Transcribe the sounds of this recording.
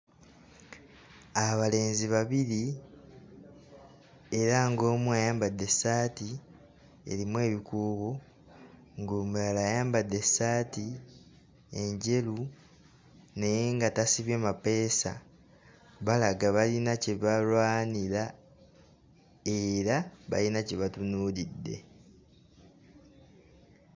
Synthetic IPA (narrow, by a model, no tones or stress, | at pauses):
aβale̞ːnziβaβiɾi | e̞ɾaŋɡo̞ːmwajaːmbadːe̞saːti | ḛɾimwe̞ːβikuːɣo | ŋɡoːmulalaːjaːmbad̪ːe̞saːti | e̞ɲɟe̞lu | ne̞jeŋɡatasiβjemape̞ːsa̰ | βalaɡaβalinaceβalwaːnila | e̞ɾaβa̰linaceβatunuːlidːe̞̰